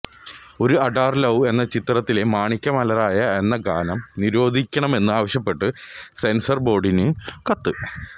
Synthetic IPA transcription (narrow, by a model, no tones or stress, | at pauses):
o̞ɾuɐɖaːrlɐwe̞nːɐt͡ɕit̪ːrɐt̪ːile̞maːɳikʲːɐmɐlɐɾaːjɐe̞nːɐɡa̰ːnɐmniɾo̞ːd̪ʱikʲːɐɳɐme̞nːɨaːʋɐɕjɐpːe̞ʈːɨse̞nsɐrbo̞ːɖinɨkɐt̪ːɨ